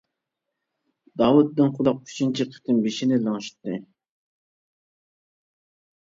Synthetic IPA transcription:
d̪ɑwut̪̚ːɪnqʰʊlˠɑq̚kʲʰy̥t͡ʃʰint͡ʃʰiqʰə̥t̪ʰɨmbeʃinɪlˠɑŋʃi̥t̪ːɨ

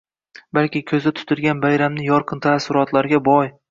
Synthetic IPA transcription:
balkʲɪkʲʰɵzat̪ʰʊ̥t̪ʰɪlɡʲanbajɾamnɪjɒɾqʰɨnt̪ʰasʊɾɒt̪ʰlaɾɡʲabɒj

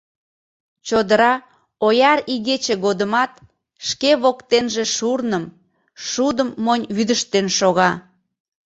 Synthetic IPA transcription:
t͡ɕod̪əɾɑ | ojɑɾiɣet͡ɕeɣod̪əmɑt̪ | ʃkeβokt̪enʒeʃurnəm | ʃud̪əmːonʲβyd̪əʃt̪enʃoɣɑ

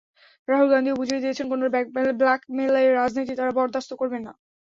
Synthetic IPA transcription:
ɾaɦulɡand̪iobud͡ʑʱied̪iet͡ɕʰenkonobblakmelaeɾad͡ʑʱnot̪̬it̪aɾabɔɾd̪ʱast̪okoɾbenːa̰

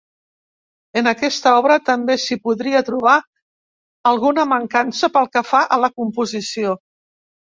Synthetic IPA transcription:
ənəkɛst̪əɔβ̞ɾət̪əmbesipuðɾiət̪ɾuβ̞a | əlˠɣunəməŋkansəpəlˠkəfaʔələkumpuzisio

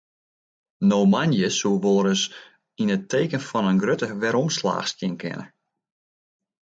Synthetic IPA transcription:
nomanjəsuʋoːɾəs | inətʰːeːkənfɔnənɡrøtəʋɛɾɔmsla̰ːxstjɪnkʰɪ̰nə̰

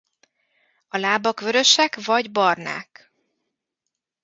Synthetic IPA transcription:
ɒlaːbɒkʋø̞ɾø̞ʃɛkvɒɟbɒrna̰ːk

